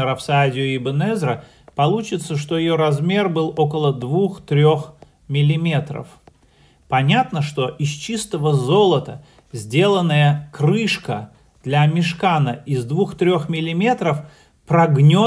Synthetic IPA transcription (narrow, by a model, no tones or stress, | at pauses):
əɾɐfsadʲɪʊɪbənɛzɾə | pɐlˠut͡ɕɪt̪səʂt̪o̞jɪjo̞ɾɐzmʲe̞rbɨlˠo̞kəlˠəd̪vuxt̪ɾʲo̞x | mʲɪlʲɪmʲe̞t̪ɾə̰f | pɐnʲat̪nəʂt̪o̞ʔɪst͡ɕist̪əvəzo̞lˠət̪ə | zʲdʲe̞lˠənːəjəkɾɨʂkə | d̪̥lʲamʲɪʂkanəɪzd̪vuxt̪ɾʲo̞xmʲɪlʲɪmʲe̞t̪ɾəf | pɾɐɡnʲo